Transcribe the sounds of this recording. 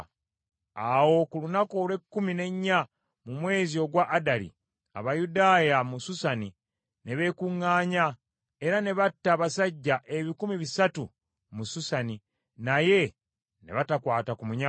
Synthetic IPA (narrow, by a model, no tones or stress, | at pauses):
awo̞kulunako̞ːlwe̞kːumine̞ɲːa | mumwe̞ːzio̞ɡwaʔːdalḭ | a̰βajudaːjamususani | ne̞βe̞ːkuŋːaːɲa | e̞ɾane̞βatːaβasaɟːaʔe̞βikumiβisatu | mususani | naje̞ | ne̞̰βatakwaːtakumuɲa